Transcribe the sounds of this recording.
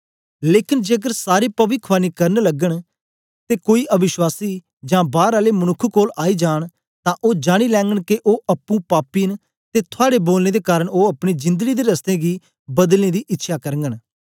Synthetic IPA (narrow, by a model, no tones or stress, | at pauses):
leːkɪnd͡ʒeːəɡəɾsaːɾeːpəʋɪkʰʋaːniːkəɾnləɡəɳ | t̪eːkoːiːʔəʋɪʃwaːsiː | d͡ʒãːbaːɾaːleːmənʊkʰːkoːlaːiːd͡ʒaːɳ̃ | t̪ãːʔoːd͡ʒaːɽ̃iːlɛ̃ːŋɡəɳkɪʔoːʔəpːũːpaːpiːn | t̪eːt̪ʰʊaːɽeːboːlneːd̪eːkaːɾəɳoːəpɽiːd͡ʒɪ̃nd̪əɡiːd̪eːɾəst̪ẽːɡiː | bəd̪lnẽːd̪iːʔɪtːʃʰaːkəɾəŋɡəɳ